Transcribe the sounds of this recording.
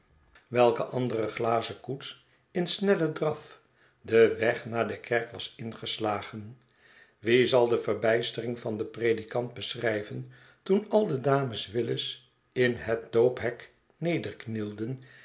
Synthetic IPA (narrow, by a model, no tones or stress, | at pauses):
ʋɛlˠkəʔɑndərəχlaːzəkuts | ɪnsnɛlədrɑf | dəʋɛχnaːɹdəkʰɛɹkʋɑsɪnχəslaːχən | ʋizɑlˠdəvərbɛjstərɪŋvɑndəpredikɑnd̚bəsrɛjvən | tunɑlˠdədaːməsʋɪləs | ɪnɦət̚dowpɦɛk | nejdərknilˠdən